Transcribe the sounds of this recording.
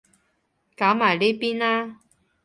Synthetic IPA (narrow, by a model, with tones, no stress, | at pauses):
kaː˨˥wmaː˨˩jle˥piː˥naː˦˥